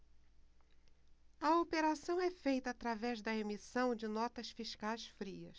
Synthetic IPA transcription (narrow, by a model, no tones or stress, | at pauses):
ɐopeɾasɐ̃w̃ɛfejt̪ɐːt̪ɾavɛzd̪ɐemisɐ̃w̃d͡ʒɪnɔt̪ɐsfiʃkajsfɾiɐ̰s